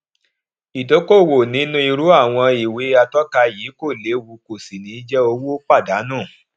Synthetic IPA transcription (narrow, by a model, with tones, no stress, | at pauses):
i˨do˨˦ko˦˨wo˨nĩ˨˦nũ˦i˧ɾu˨˦a˦˨w̃ɔ̃˧i˨we˨˦a˧tɔ˦ka˧ji˨˦ko˦˨le˨˦wu˧˦ko˨si˨nĩ˨˦d͡ʒɛ˦o˧wo˦k͡pa˦˨da˨˦nũ˦˨